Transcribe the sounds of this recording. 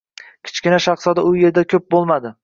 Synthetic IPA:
kʲʰɪ̥t͡ʃkʲɪnaʃɑχsɒd̪aʊje̞ɾd̪akʲʰɵp̚bolˠmad̪ɪ

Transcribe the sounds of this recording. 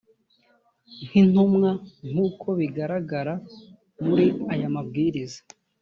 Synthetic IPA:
n̥hin̥umŋaŋ̥uːkʰo̞βiɡaɾaɡaɾa | muɾiajamabɡiːɾiza

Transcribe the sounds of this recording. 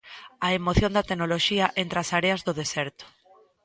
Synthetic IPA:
aemoθjond̪at̪enoloʃiaʔent̪ɾasaɾeazðoðeseɾt̪o̥

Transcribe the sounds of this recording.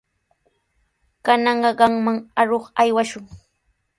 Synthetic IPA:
kanɑɴɢɑɢɑŋmaŋaɾoχajwaʃʊŋ

